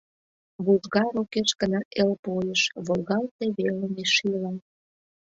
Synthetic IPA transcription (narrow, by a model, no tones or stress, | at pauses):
βuʒɣɑɾokeʃkənɑʔelpojəʃβolɣɑlt̪eβelemeʃilɑ